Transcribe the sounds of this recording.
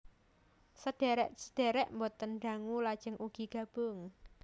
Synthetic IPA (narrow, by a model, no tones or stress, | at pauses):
səd̥e̤ɾɛʔsəd̪̥eɾɛʔmbot̪ənɖa̤ŋulad̥ʒ̥əŋʔuɡ̥i̤ɡ̥a̤b̥ʊŋ